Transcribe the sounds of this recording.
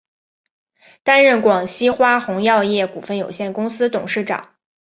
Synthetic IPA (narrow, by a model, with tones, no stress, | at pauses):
t̪a˥nɻə˥˩nkwɑ˨˩ŋɕi˥xwa˥xʊ˧˥ŋjɑ˥˧ʊjɛ˥˩ku˨˩fə˥˩njo˨˩ʊɕjɛ˥˩nkʊ˥ŋsɹ̩˥t̪ʊ˨˩ŋʂɻ̩˥˩ʈ͡ʂɑ̰˨˩˦ŋ